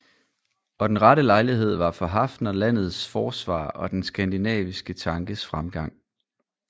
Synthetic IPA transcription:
ɒ̽d̥enʁɑɾəlɑ̈ɪliɦe̝ð̞̰ˠʋɑ̈fɒ̽ɦɑ̈fd̥nɐlæn̰ð̞̩ˠsfɒːsʋɑ̰̈ːɒ̽d̥ensɡ̥ænd̥inɛ̰ːʋisɡ̥ət͡sʰɑ̈ŋɡ̥əsfʁamɡ̥ɑ̈ŋ̰

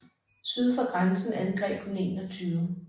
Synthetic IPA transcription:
syðˠfɒɡ̥ʁansn̩ænɡ̥ʁɛ̰ːb̥ʰonḛːnɒt͡sʰyːʊ

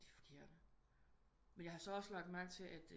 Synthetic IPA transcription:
d̥ifɒ̥kʰe̝ɐ̰n̥ə | menjhɑ̈sɒ̽ɒ̽səlɑ̈ɡ̥̚d̥mæn̰t͡sʰe̝ʔæd̥

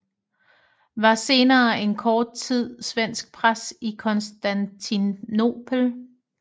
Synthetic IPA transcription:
ʋɑ̈se̝ːnɐːe̝nkʰɒːd̥̚t͡sʰið̞̰ˠsʋen̰sɡ̥̚pʰʁasikʰɔ̽nsd̥ænt͡sʰino̝pʰl̩

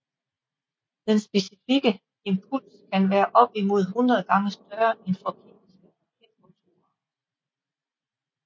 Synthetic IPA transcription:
d̥ensb̥e̝sifiɡ̥ə | e̝mpʰul̰skʰænʋæːɐʔɒ̽b̥imo̝ð̞̰ˠɦunʁɐð̞ˠɡ̥ɑ̈ŋəsd̥ɶɐenfɒ̽kʰḛːnisɡ̥əpʰɑkʰed̥kʰont͡sʰuːɐ

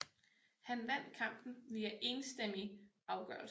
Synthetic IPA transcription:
hænʋæn̰d̥kʰɑ̈m̰b̥n̩ʋiæʔe̝ːnsd̥em̰i | ɑ̈ʊɡ̥œ̰ɐl

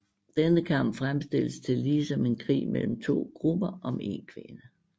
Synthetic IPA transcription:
d̥enəkʰɑ̈m̰b̥fʁamsd̥e̝ləst͡sʰe̝lːiːsɒ̽me̝nkʰʁḭːmel̰m̩t͡sʰo̝̰ːɡ̥ʁub̥ɐɒ̽me̝̰nkʰʋe̝nə

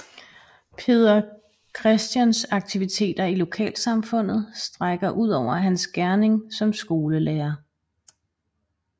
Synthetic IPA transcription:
pʰe̝ð̞ˠɐ | kʰʁɛsd̥jænsɑ̈ɡ̥̚t͡sʰiʋit͡sʰe̝̰ːd̥ɐilo̝kʰɛ̰ːlsɑ̈mfɔ̽n̰ð̞̩ˠsd̥ʁaɡ̥ɐʔuð̞̰ˠɒʊ̰ɐɦænsɡ̥æɐne̝ŋsɒ̽msɡ̥o̝ːləleːɐ

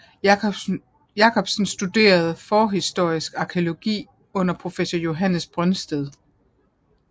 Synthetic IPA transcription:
jɑ̈kʰɒ̽b̥sn̩sd̥ud̥e̝̰ːɐð̞̩ˠfɒːɦisd̥o̝ɐ̰isɡ̥ɑ̈kʰeolo̝ɡ̥ḭː | ɔ̽n̰ɐpʰʁo̝fesɒjo̝ɦænəsb̥ʁœnsd̥eð̞ˠ

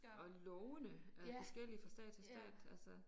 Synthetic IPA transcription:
ɒ̽lɔʊnəæfɒ̽sɡ̥el̰ifɒ̽sd̥ɛ̰ːd̥t͡sʰesd̥ɛ̰ːd̥ælsə

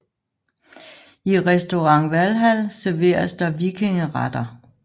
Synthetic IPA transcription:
iʁɛsd̥o̝ʁɑ̈ŋ̰ʋælɦæl̰sæɐʋe̝̰ːɐsd̥ɑ̈ʋiɡ̥ʰe̝ŋəʁɑd̥ɐ

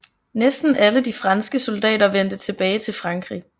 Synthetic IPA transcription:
nesd̥n̩ʔæləd̥ifʁɑ̈nsɡ̥əsɔld̥ɛ̰ːɾɐʋen̰d̥ət͡sʰe̝b̥ɛːɪt͡sʰe̝lfʁɑ̈ŋɡ̥ʁḭ

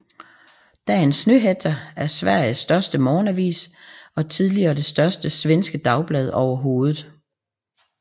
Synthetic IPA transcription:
d̥æe̝nsnøɦedʰɐæɐsʋæɐ̰j̩sd̥ɶɐsd̥əmɒːnæʋḭːsɒ̽t͡sʰið̞ˠliɐːd̥e̝sd̥ɶɐsd̥əsʋensɡ̥əd̥ɑ̈ʊb̥lɛðˠɒʊɐɦo̝ːð̞ˠð̩ˠ

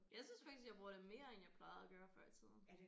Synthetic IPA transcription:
jɑ̈ɪsynsfɑ̈ɡ̥isɡjaɪbʁoɐ̰d̥eme̝̰ːɐenjɑ̈ɪpʰlɑ̈ɪð̩ˠæɡ̥ɶːɐfɶɐ̰t͡sʰḭð̰ˠn̩

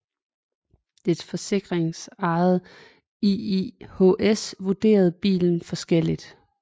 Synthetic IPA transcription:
d̥ed̥fɒ̽se̝ɡ̥ʁeŋsɑ̈ð̩ˠ | ihoʔesʋud̥e̝̰ːɐð̞̩ˠb̥ḭːln̩fɒ̽sɡ̥el̰id̥

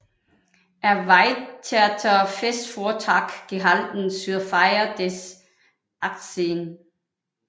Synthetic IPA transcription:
ʔæɐʋɑ̈ɪt͡sʰeæt͡sʰɐfesd̥foɐt͡sʰɑɡ̥ɡ̥eɦɑld̥n̩syɐfɑɪɐd̥es | ʔɑ̈ɡ̥̚d̥sen

